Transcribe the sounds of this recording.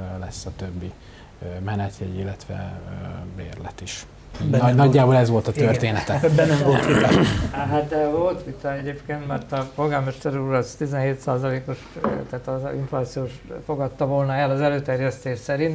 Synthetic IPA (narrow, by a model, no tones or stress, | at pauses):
lɛsːɒt̪øbːi | mɛnɛt̪jɛjilːɛt̪ʋɛ̰ | bḛːrlɛ̰t̪iʃ | nnɒɟːaːbolɛzʋo̞lt̪ɒt̪øreːnɛt̪ɛbɛnːɛmvolt̪ʋit̪ɒɦat̪̚d̪ɛvo̞lt̪ʋit̪ɒɛɟeːpkeːnt̪mɛrt̪ɒpo̞lɡaːlmɛʃt̪ɛɾuɾɒst̪izɛnɦeːt̪saːzɒleːko̞ʃt̪aːt̪ḭɱflaːt̪sioːʃfo̞ɡɒt̪ːɒvo̞lnɒɛlɒzɛløːt̪ɛrjɛst̪eːʃsɛɾint̪